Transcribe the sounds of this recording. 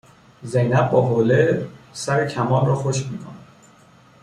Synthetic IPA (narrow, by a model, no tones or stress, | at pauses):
zejnæb̚ːɒːɦoːlesæɾecʰæmɒːlrɒːxoʃmiːkʰonæd̪